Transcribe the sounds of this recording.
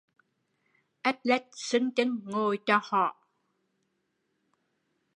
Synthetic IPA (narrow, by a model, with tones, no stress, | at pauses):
ʔɛ˦˥t̚lɛ˦˥t̚sɨ˨˦ŋt͡ɕə˨˦ŋŋo˧˩jt͡ɕɔ˧hɔ̰˧˨ʔ